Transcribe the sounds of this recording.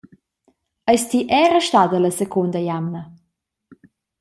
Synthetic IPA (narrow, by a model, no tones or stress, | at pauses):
əjst̪iʔɛɾəʃtad̪ələsekʰund̪əjamnə